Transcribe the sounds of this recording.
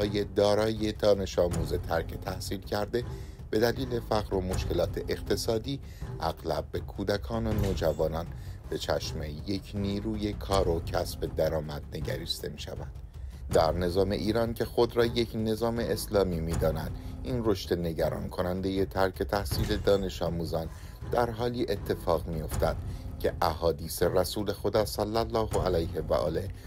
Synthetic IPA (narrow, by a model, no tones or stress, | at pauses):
ɒːje̞d̪ɒːɾɒːje̞d̪ɒːne̞ʃɒːmuːze̞t̪ʰæɾcʰet̪ʰæhsiːlcʰæɾd̪e̞ | b̥e̞d̪æliːle̞fæɣɾo̞moʃce̞lɒːt̪ʰe̞ʔeqt̪ʰe̞sɒːd̪iː | ʔæɣlæb̚ːe̞kʰuːd̪ækʰɒːnonoːd͡ʒævɒːnɒnb̥e̞t͡ʃʰæʃme̞je̞cʰniːɾuːje̞kʰɒːɾocʰæsbe̞d̪æɾɒːmæd̪̥̚ne̞ɟæɾist̪e̞miːʃævænd̪̥ | d̪æɾne̞zɒːme̞ʔiːɾɒːncʰe̞xo̞d̪ɾɒːje̞cʰne̞zɒːme̞ʔeslɒːmiːmiːd̪ɒːnæd̪ʔinro̞ʃt̪e̞ne̞ɟæɾɒ̰ːnkʰo̞nænd̪e̞je̞t̪ʰæɾcʰe̞t̪ʰæhsiːle̞d̪ɒːne̞ʃɒːmuːzɒn | d̪̥æɾɦɒːliːʔe̞t̪ʰːe̞fɒːɣmijo̞ft̪æd̪̥cʰe̞ʔæɦɒːd̪iːse̞ræsuːle̞xo̞d̪ɒːsælːælːɒːhoælæjɦevæ̰ʔɒ̰ːle̞